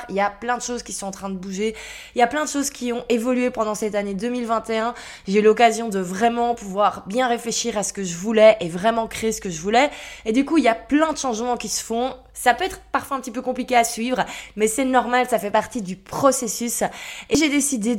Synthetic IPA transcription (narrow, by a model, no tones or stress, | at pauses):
ʁiljaplɛ̃d̪əʃozkʲisɔ̃ɑ̃t̪χɛ̃d̪əbuʒe | iljaplɛ̃d̪əʃozkʲʰiɔ̃ʔevɔlyepɑ̃d̪ɑ̃sɛt̪aned̪ømilvɛ̃t̪eɛ̃ | ʒeylɔkazjɔ̃d̪əvʁɛmɑ̃puvwaʁbjɛ̃ʁefleʃiʁasə̥kəʒəvulɛʔevʁɛmɑ̃kχeesə̥kəʒəvulɛed̪ykuiljaplɛ̃d̪əʃɑ̃ʒmɑ̃kʲisə̥fɔ̃ | sapøɛt̪χpaʁfwaɛ̃pət̪ipøkɔ̃plikʲeasɥivʁəmɛsɛnɔʁmalsafɛpaʁt̪id̪ypχɔsesyseʒed̪esid̪e